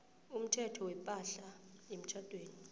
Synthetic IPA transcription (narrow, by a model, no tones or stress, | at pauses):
um̩tʰɛtʰɔwɛpʼaɬaem̩t͡ʃʰad̥ʱweːni